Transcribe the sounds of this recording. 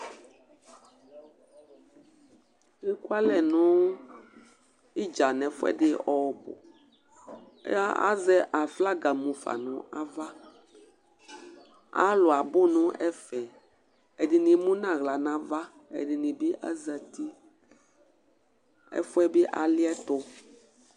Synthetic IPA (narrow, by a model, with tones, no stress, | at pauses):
ɣe˦ku˦a˦lɛ˨nũ˦ | i˦d͡ʒa˨nɛ̃˨fɛ̰˦ɖɪ˦ɔ˦˨bɔ̰˨˦ | a˦a̰˦zɛ˦ʔa˨fla˦ɡa˨mũ˨fa̰˨nũ˨a˦va˦ | a̰˦lo˨a˨bo˦nũ˦ʔɛ˦fɛ˨ | e˨di˨nĩ˨mũ˦nã˦˨ɣla˨nã˦va˦ | ḛ˨di˨nĩ˨bi˦ʔa̰˦zə˨t̪i˦ | ɛ̰˦fo˦ɛ˦be˦ʔa˨li˦ɛ˦t̪o˦